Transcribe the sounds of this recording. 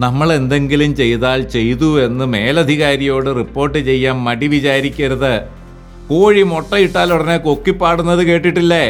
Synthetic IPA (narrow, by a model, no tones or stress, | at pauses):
nɐmːɐɭe̞nd̪e̞ŋɡilumt͡ɕe̞jt̪aːlt͡ɕe̞jt̪ue̞nːɨme̞ːlɐd̪ʱiɣaːɾijo̞ːɽɨripːo̞ːrʈːɨt͡ɕe̞jːaːmːɐʈiʋit͡ɕaːɾikʲːɐɾɐðɨ | koːɻimoʈːɐiʈːaːluɽɐnekokːipːaːɽunːɐðɨke̞ːʈːiʈːilːe